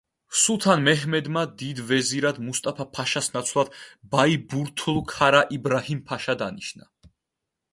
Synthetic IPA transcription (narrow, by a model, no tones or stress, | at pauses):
sut̪ʰanmɛɦmɛd̪mad̪id̪vɛziɾad̪must̪ʼapʰapʰaʃasnat̪sʰlˠad̪̥baibuɾt̪ʰlˠkʰaɾaʔibɾahimpʰaʃad̪aniʃna